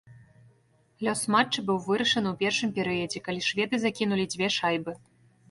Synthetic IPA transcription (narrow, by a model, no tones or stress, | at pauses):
lʲɔsmat͡ʂːɨbɨwvɨɾɐʂɐnɨwpʲɛrʂɨmpʲɛɾɨjɐd͡zʲɛkalʲiʂvʲɛd̪ɨzakʲinulʲid͡zʲvʲɛʂajbɨ